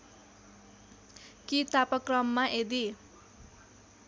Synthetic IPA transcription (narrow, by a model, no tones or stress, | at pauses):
kit̪apʌkrʌmːaʔed̪i